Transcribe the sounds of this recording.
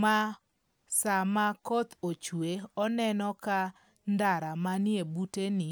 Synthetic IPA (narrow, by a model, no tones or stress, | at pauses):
ma | samakot̪ot͡ʃweɔnɛnɔka | ndaɾamanɪebutenɪ